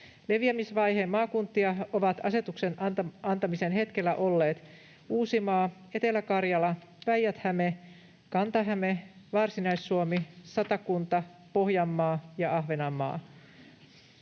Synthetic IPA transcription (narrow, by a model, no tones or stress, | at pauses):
leʋiæmisʋɑjɦemːɑːkunt̪ːiɑoʋɑt̪ɑse̞t̪uksenɑnt̪ɑmise̞nɦe̞t̪kelːæʔo̞lːe̞ːt̪ | uːsimɑː | e̞t̪e̞lækɑrjɑlɑʋæjːæt̪hæme | kɑnt̪ɑɦæmeʋɑrsinɑjsːuomisɑt̪ɑkunt̪ɑpo̞hjɑmːɑːjɑʔɑɦʋenɑmːɑ̰ː